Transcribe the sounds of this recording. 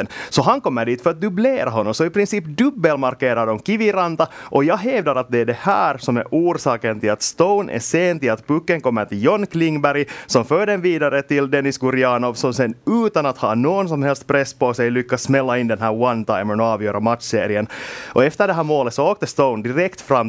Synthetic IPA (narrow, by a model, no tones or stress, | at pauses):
nsɔɦankɔmːəɖiːt̪fœɾat̪̚d̪ɵbleːɾaɦɔnːɔmsɔipɾɪnsiːpd̪ɵbːəlmaɾkeːɾadɔmkɪvɪɾand̪aʔɔjɑːɡɦɛːvd̪aɾat̪̚d̪ɛɖɛhæːɾsɔmæ̰ɾʔuːɾsɑːkənt̪ɪlat̪st̪ɔʊnʔɛ̰ʂeːnt̪ɪlat̪bʉkːəŋkɔmːəʈ̪ɪljɔnkʰlɪŋbæɾɪsɔmføːɖɛnviːd̪aɾət̪ɪld̪ɛnɪsɡʊɾɪɑːnɔvsɔmsɛnːʉ̟ːt̪anat̪hɑːnoːɡɔnsɔmhɛlst̪̚pʰɾɛsːpɔsɛjlʏkːasːmɛlːaɪnd̪ɛnɦæːɾwant̪ʰaɪmənɔɑːvjøːɾamat̪sḛːɾɪənʔɔɛft̪əɖɛɦæːɾmoːlət̪sɔoːk̚t̪əst̪oʊnd̪ɪɾɛkt̪fɾamː